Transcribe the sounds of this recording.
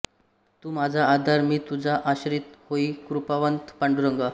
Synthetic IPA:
t̪uːmad͡zʱaːd̪ʱaɾmiːt̪ud͡zʱaʔaɕɾit̪hoiːkɾupaʋənt̪paɳɖuɾəŋɡa

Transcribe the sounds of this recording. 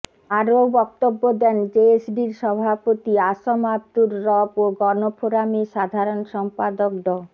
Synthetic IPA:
aɾobɔk̚t̪obːod̪ɛnd͡ʑeesɖiɾʃɔbʱapot̪iaʃomab̚d̪uɾɾɔboɡɔnopʰoɾamiʃad̪ʱaɾonʃɔmpad̪okd̪ɔ

